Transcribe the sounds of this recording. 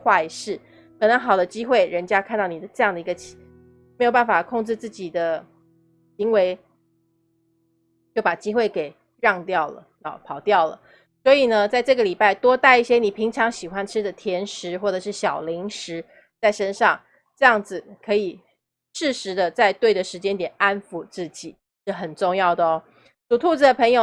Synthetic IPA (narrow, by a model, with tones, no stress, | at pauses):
xwa˥˧i˧˩ʂɻ̩˥˩ | kʰɤ˨˩nɤ˧˦ŋxɑ˨˩ʊd̪ə˦t͡ɕi˥xwe˥˩ɪɻə˧˥nt͡ɕja˥kʰnt̪ɑ˥˩ʊni˨˩d̪ə˩ʈ͡ʂɤ˥˧jɑ˥˩ŋd̪ə˩i˧˥ɡə˧t͡ɕʰi̥˧˨˥ | me˥jo˨˩pa˥˩nfa˨˩kʰo˥˧ŋʈ͡ʂɻ̩˥˧t͡sɹ̩˥˩t͡ɕi˨˩d̪ə˦ | ɕi˧˥ŋwe˧˥ɪ | t͡ɕjo˥˩ʊpa˨˩t͡ɕi˥xwe˥˩ɪke˨˩ɪ | ɻɑ˥˧ŋt̪jɑ˥˩ʊlə̰˩lɑ˨˧˦pʰɑ˨˩ʊt̪jɑ˥˩ʊlə̰˩ | swɔ˧˥i˨˩nə˨˦t͡sa˥˧ɪʈ͡ʂɤ˥˩ɡə˩li˨˩pa˥˩ɪt̪wɔ˥t̪a˥˧ɪi˥˩ɕjɛ˥ni˨˩pʰi˧˥ŋʈ͡ʂʰɑ˧˥ŋɕi˨˩xwa˦nʈ͡ʂʰɻ̩˥d̪ə˨t̪ʰjɛ˧˥nʂɻ̩˧˥xwɔ˥˩ʈ͡ʂɤ˨˩ʂ̬ɻ̩˥˩ɕjɑ˨˩ʊli˧˥ŋʂɻ̩˧˥ | t͡sa˥˩ɪʂə˥nʂɑ˥˧˩ŋ | ʈ͡ʂɤ˥˧jɑ˥˩ŋd͡zɹ̩˨˩kʰɤ˧˥i˨˩ | ʂɻ̩˥˩ʂɻ̩˧˥d̪ə˧t͡sa˥˧ɪt̪we˥˩ɪd̪ə˩ʂɻ̩˧˥t͡ɕjɛ˥nt̪jɛ˨˩na˦nfu˨˧˦t͡sɹ̩˥˩t͡ɕi˨˩˦ | ʂ̩˥˩xə˨˩nʈ͡ʂʊ˥˧ŋjɑ˥˩ʊd̪ə˩ɔ˦ | t͡su˨˩t̪ʰu˥˧t͡s̩˧d̪ə˩pʰə˧˥ŋjo˨˩